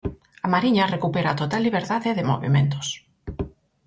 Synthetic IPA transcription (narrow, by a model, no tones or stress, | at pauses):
amaɾiɲarekupeɾat̪ot̪alːiβeɾðaðeðɪmo̰βḭmẽnt̪o̥s